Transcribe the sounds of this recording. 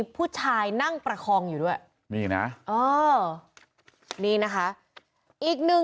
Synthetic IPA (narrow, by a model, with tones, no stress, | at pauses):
pʰuː˥˩t͡ɕʰaː˧jna˥˩ŋpɾa˧kʰɔː˧ŋjuː˨˩du˥˩əj | miː˧˩na̰˦˥ʔʔɤː˧˩ | niː˧na˦˥kʰa˦˥ʔ | ʔiː˨˩k̚nɯ˨˩